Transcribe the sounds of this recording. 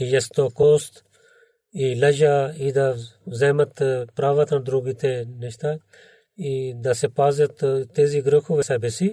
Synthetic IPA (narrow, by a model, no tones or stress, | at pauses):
ijɐst̪okoːst̪ | ilɐd͡ʒaːid̪azɐːmɐt̪pɾaːʋat̪ɐnd̪ɾuɡit̪enɐʃt̪a | id̪asepaːzɐt̪t̪eːziɡɾəkʰuʋɐsaːbesi